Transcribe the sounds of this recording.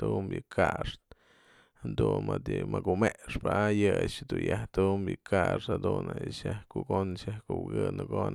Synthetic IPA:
t̪umbjɨkʰaʂt̪ | hand̪unmat̪jɨmakumeʔʂpaajɨt͡ʃd̪unjaht̪umbjɨkʰaʂhad̪unaʃjahkuɡonʃjahkuwɡɨnɨɡon

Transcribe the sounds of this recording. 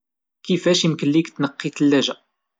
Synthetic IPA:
kifæʃimkəlːiɡt̪ːnəqːit̪əlːæʒæ

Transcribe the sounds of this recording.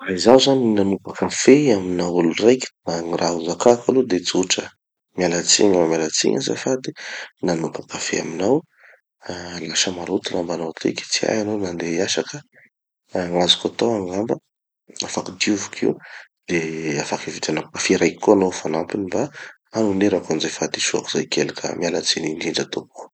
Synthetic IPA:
raizazaninanupakəfeaminawulurajki̥naŋirʔauzakakalud̪et͡siuʈ͡ʂə | mjalat͡sḭɲamalat͡sḭɲa̰za̰fad̪enanupḁkəfḛa̰minaw | laʃəmaɾut̪unambanat̪ʰḭkt͡sia̰janonand̪eaʃakə | ŋazukat̪oaŋɡambə | afakid̪iuvukʰḭw | d̪̥eafakivit̪anakkafeɾajki̥kːoanowfanampiniba | anuneɾakanizajfad̪iʃua̰kuzajkelikʰʲə̰mjalat͡sininɖ͡ʐiɳɖ͡ʐat̪oku̥

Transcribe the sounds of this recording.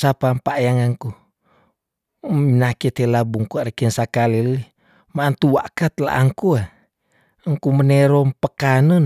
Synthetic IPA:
sapampaʔjaŋaŋku | minakit̪elabuŋkuaɾəkinsakaliləi | maːnt̪uwa̰ʔkat̪la̰ʔaŋkua | ŋkumənɛɾompəkanən

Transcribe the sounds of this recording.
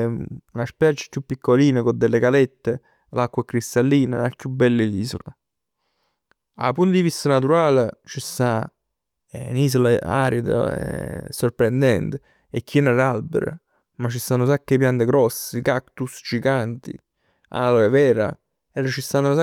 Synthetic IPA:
naspɛɾt͡ʃɪ̥kjupːikʰːoliːnekod̪elːekalɛt̪ːe | lakːwakɾist̪alːiːnaakjubːɛlːɪliːso̰la | a̰punt̪od̪ivist̪anat̪uɾaːlet͡ʃist̪a | niːsolaa̰ɾid̪a̰sorpɾend̪ɛnt̪ɪ | ekːinalalbḛɾ̰ | mat͡ʃːist̪anːosakːepːjant̪eɡɾɔsːekakt̪ust͡ʃikant̪ḭ | a̰loevɛːɾa̰ | ɛɾat͡ʃist̪anːʊsa

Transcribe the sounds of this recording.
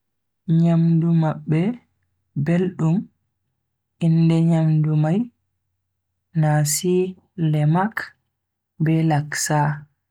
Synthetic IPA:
ɲamdumaɓːɛ | belɗum | indɛɲamdumaj | nasi | lɛmak | bɛlaksa

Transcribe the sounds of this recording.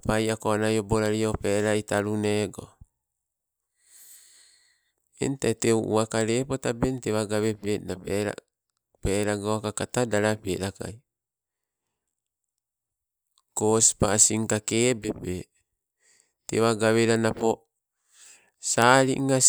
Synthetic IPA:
pajakoanajoboɾaɾiopeɾaitaɾuneɡo̰ | ḛntatewʔṵakaɾepotabenteβaɡaβepenapeɾa̰ | peːɾaɡoakakatadaɾapḛɾaka̰j | kosi̥pasiŋkakeːbepe | teβaɡaβeɾanapo | saɾḭʔŋːa

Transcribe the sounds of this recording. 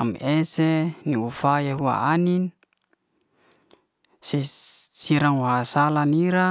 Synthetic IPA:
amiʔeseniufajaɦua̰anini | sesiɾaŋwaɦasalaniɾa

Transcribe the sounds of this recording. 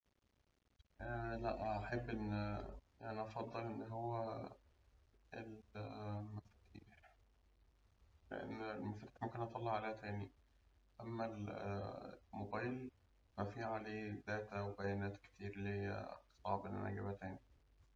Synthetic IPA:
ʔælæʔʔaħebːʔenː | ʔænæʔɑfɑd̪ˤːɑlʔenːɦowːæ | ʔḛl | mæfæt̪ḭːħ | lḛʔḛnːlmʊfæt̪iːħmækæːnʔɑt̪ˤɑlːeʕaleːhæt̪æːni | ʔæmːæl | mobæjl | mæfiːʕaleːd̪æːt̪æwebæjænæːt̪ke̥t̪iːɾlḛt̪sˤɑ̰ʕbʔenʔæ̰næ̰ɡæbhæt̪æːni

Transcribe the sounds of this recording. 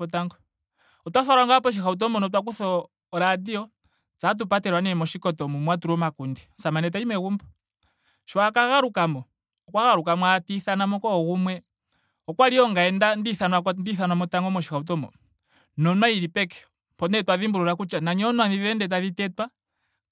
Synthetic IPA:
ɔtaŋɡɔ | ɔtwaθaɾaŋɡapɔʃ̬ixaut̬ɔmbɔnɔt̬wak̬uθɔː | ɾadiɔ | t͡sat̬upatɛɾwanɛɛmɔʃikɔtɔmumwatuɾɔmakundiɔsamanɛt̬aimɛɣumbɔ | ʃwakaɣaɾukamɔ | ɔkwaɣaɾukamwatiθanamɔkɔɣumwɛ | ɔkwaliɔŋɡaɛndandiθanwakndiθanwamɔtaŋɡɔmɔʃi̥xaut̬ɔmbɔ̰ | nɔnwaiɾipɛkɛ̥ | pɔnɛtwaðimbuɾuɾakut͡ʃanaɲɔnwaðiðɛndɛtaðitɛtwa

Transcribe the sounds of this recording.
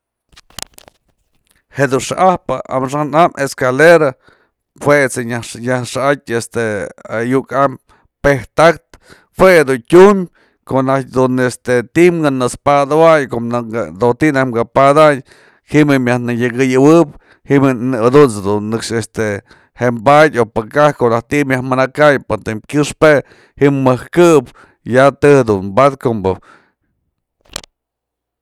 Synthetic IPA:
hed̪unʂa̰ʔahpaa̰mʂanamʔeskaleɾa | hwet͡seɲaɲahʂaatʲest̪eajukam | peht̪akt̪ | hwed̪uɲtʲumʲ | konat̚ʲd̪unest̪et̪imɡanɨspad̪awajkoad̪ot̪inahɡapad̪aj | himɨmʲjahnɨjɨɡɨjɨwɨp | himnad̪unt͡sd̪unːɨkʂest̪e | hembadʲopakahkoʔnaht̪imjahmɨnakajpat̪emkʲɨʂpe | himɨhkɨp | jat̪ɨhd̪unbad̪kombo

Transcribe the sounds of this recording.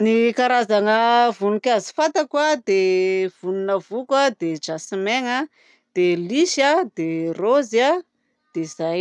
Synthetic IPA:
nikaɾazanəvunukazifant̪akwad̪ev̥ununəvukəd̪ed͡ʒasimeŋə | d̪̥eliʃad̪erozia | d̪̥ezaj

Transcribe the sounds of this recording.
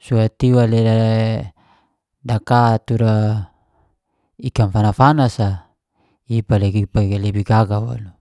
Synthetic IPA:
suat̪iwalela | dakat̪uɾa | ikamfanafanasa | ipaleɡipaɡelebiɡaɡawa̰lu

